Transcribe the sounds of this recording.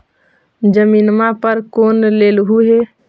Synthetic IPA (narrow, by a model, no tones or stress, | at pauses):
d͡ʒəminmapəɾkoːnlelɦuɦe